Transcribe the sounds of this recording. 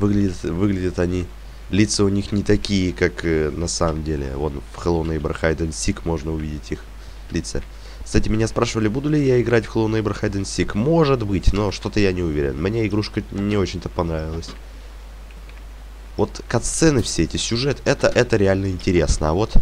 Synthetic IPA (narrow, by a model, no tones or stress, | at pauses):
vɨɡlʲɪdʲɪt̪vɨɡlʲɪdʲət̪ɐnʲi | lʲit̪səʊnʲixnʲɪt̪ɐkʲijəkaknɐsaməmdʲelʲɪ̰o̞̰nfxəlˠonəjbɾxajd̪ənsʲikmo̞ʐnəʊvʲidʲɪtʲix | lʲit̪sə | ksatʲɪmʲɪnʲaspɾaʂɨvəlʲɪbud̪ʊlʲɪjaɪɡɾatʲfxlˠownəjbɾəxajd̪ənsʲikmo̞ʐɨt̪bɨtʲno̞ʂt̪o̞t̪əjanʲɪʊvʲeɾʲɪ̰nmnʲeɪɡɾuʂkənʲɪot͡ɕɪnʲt̪əpɐnɾavʲɪlˠəsʲ | vo̞t̪kɐt̪st̪sɛnɨfsʲeɛtʲɪsʲʊʐɛt̪ɛt̪əʔɛt̪əɾʲɪalʲnəɪnʲtʲɪɾʲe̞snəɐvo̞t̪